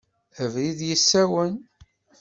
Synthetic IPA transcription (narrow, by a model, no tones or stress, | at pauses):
əvɾiðjəsːæwən